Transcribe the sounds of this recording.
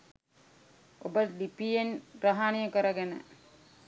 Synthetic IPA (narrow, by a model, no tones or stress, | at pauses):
obəlipienɾaɦanijəkəɾəɡenə̰